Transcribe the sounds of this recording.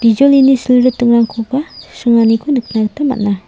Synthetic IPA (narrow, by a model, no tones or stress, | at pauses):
d̥id͡ʒɔlinisəluɾut̪ːuŋaŋkʰukasuŋanikunəkənaɾt̪ama̰ʔna